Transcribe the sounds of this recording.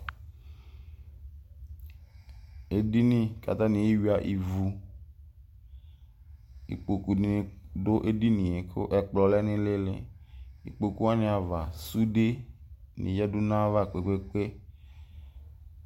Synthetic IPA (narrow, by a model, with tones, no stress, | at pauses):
e˨di˦nĩ˦ka̰˨t̪a˦nĩ˨e˦wi˦a˨ʔi˨vu˨ | ḭ˨k͡po˨ku˨ni˨ni˨do˦ʔe˦di˦nĩ˨e˨kʰo̰˦ʔɛ˨k͡plɔ˨lɛ˦nɪ̃˦le˦lḛ˨i˨k͡po˨ku˦a˦nɪ̃˨a˨va˨su˦de˦nḭ̃˨jɛ˦du˦nã˦va˦˨k͡pe˨k͡pe˦k͡pe˦